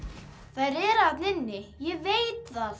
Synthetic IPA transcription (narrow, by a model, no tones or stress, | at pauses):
θaɾɛɾat̪nɪnːɪjɛveːjt̪θað